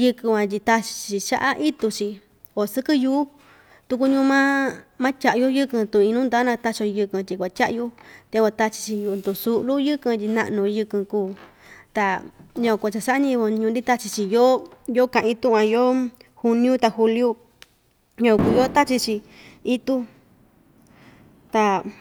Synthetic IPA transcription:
jɨ˧kɨ̃˧wã˧t̪̬ʲi˧t̪a˧t͡ʃi̥˧t͡ʃi˧˨t͡ʃa̰˦ʔa˦ʔi˦t̪u˧t͡ʃi˧ | o˨sɨ˦kɨ˦juː˧˦ | t̪u˧k̬u˧ɲũː˦˧˦mã˦mã˦tʲa˧ʔju˦jɨ˦kɨ̃˧t̪ũ˧˨ĩ˧nũ˦nd̪a˦nã˧t̪a˧t͡ʃo˧jɨ˧kɨ̃˧t̪ʲi˧kʷa˨tʲa˦ʔju˦t̪e˧a˧t̪a˦t͡ʃi̥˧t͡ʃi˧ju˧nd̪u˧˨su˧ʔlu˦jɨ˦kɨ̃˧t̪ʲi˧nã̰˧ʔnũ˧jɨ˧kɨ̃˧kuː˧˨t̪a˧ɲõ˧kʷa˧˨t͡ʃa˧sa˦ʔɲĩ˦˧βo˧ɲũ˧nd̪i˦t̪a˦t͡ʃi˧t͡ʃi˧jo˦jo˦kã˧ʔĩ˧t̪ũ˦ʔã˧jo˦hu˧nĩ˦ũ˦t̪a˧hu˧lju˦ | ɲõ˧ku˧˨jo˦t̪a˦t͡ʃi˧t͡ʃi˧ | i˦t̪u˦ | t̪a˧

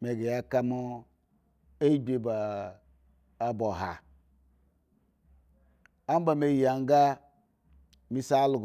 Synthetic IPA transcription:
me˨ɡe˨ja˦ka˦mu˦ | e˦be˦ba˨ | bo˨ɦa̰˨ | a˦m˦ba˨me˨˦˨ja˨ŋ˦ɡa˦ | mi˦sa˦lu˨ɡ

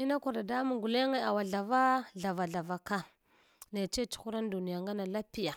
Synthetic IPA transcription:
i˦na˦kʷu˨ɾda˨da˦mu˨ŋɡu˨le˦ŋe˦a˨wa˨ɮa˨va˦ɮa˨va˨ɮa˨va˨ka˦ | ne˨t͡ʃe˦t͡ʃu̥˨˦xu˦ɾa˦n˦du˨ni˨ja˨ŋɡa˦na˨la˦pi˦ja˨

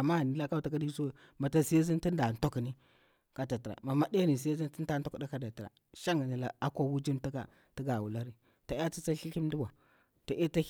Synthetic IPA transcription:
a˨ma˦a˨ni˨la˦ka˦˨ta˨ka˦di˦so˦we˨ma˨ta˦si˦jzi˦nti˦nda˨n˨to˦kni˦ | ka˦da˨ti˨ɾa̰˨ma˨ma˦de˦ni˨si˦jzi˦n˦ti˦n˦a˦n˦to˦kda˦ka˦da˨ti˨ɾa̰˨ | ʃa˦ŋ˨ni˨la˨a˦kʷa˦wu˦d͡ʒi˦nta˦ka̰˨ | ti˦ɡa˨wu˨la˦ɾi˦ | ta˨˦a˦t͡si˦t͡sa˦ɬi˦kʲi˦m˦di˦ba˨ | to˨ʔe˦ta˦

